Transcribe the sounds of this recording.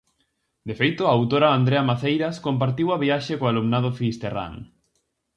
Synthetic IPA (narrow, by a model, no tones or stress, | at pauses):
d̪efejt̪ʊaawt̪oɾaand̪ɾeamaθejɾaskompaɾt̪iwɐβiaʃekoalumnað̞ofist̪era̰ŋ